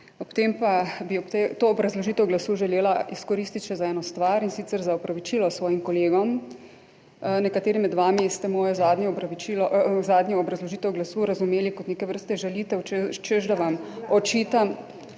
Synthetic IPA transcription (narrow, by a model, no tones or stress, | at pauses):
ɔpt̪empabiɔpt̪et̪oːbɾazlɔʒiːt̪ɛwɡlasuːʒɛleːlaiskɔɾiːst̪it̪ʃɛzaɛːnɔst̪ʋaɾinsit̪sɛɾzaɔpɾaʋit͡ʃiːlɔsʋɔːjimkɔleːɡɔm | nɛkat̪eːɾimːɛd̪ʋaːmist̪ɛmɔːjɔzaːd̪ɲɛɔbɾaʋit͡ʃilɔzaːd̪ɲɛɔbɾazlɔʒiːt̪ɛwɡlasuːɾazumeːlikɔt̪neːkɛʋəɾst̪ɛʒɛlit̪ɛwt͡ʃeʒd̪aʋamɔt͡ʃiːt̪am